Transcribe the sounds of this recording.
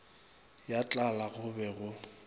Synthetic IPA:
jat͡ɬʼalaɣʊbɛɣʊ

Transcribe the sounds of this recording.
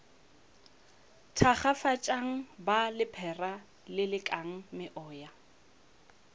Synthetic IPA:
tʰaχafat͡ʃʼaŋ̩balɪpʰɛra | lɪlɪkʼaŋ̩mɪʔɔːja

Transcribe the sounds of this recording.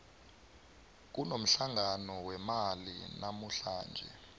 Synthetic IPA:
k̬unom̩ɬaŋanɔwɛmalḭnʔamuɬaːnd͡ʒʱɛ̰

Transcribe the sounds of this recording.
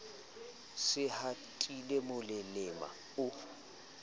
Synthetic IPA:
sɪhatʼilemʊlɪlɪma̰ | ʊ

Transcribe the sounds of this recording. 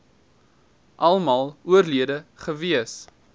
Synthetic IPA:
ʔɐlˠmɑlˠuərliədəχəviəs

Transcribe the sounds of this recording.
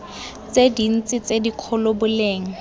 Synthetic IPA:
t͡sedin̩t͡sʼɪt͡sedikʰɔlʊbʊleːŋ̩

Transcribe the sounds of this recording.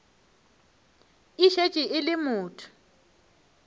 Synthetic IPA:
iʃet͡ʃʼiʔɪlɪmʊːtʰʊ̥

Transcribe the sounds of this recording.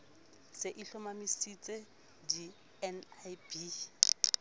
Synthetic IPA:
seʔiɬɔmamisit͡sʼe | di | ɛnabi

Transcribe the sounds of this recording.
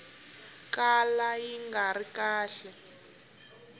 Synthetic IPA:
kalajiŋɡaɾikaːɬɛ

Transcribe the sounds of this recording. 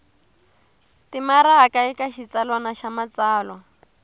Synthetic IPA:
timaɾaakaikaʃit͡salwanaʃamat͡saːlwa

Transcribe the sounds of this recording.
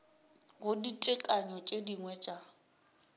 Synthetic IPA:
ɣʊditʼɪkʼaɲɔt͡ʃʼediŋwɛt͡ʃʼa

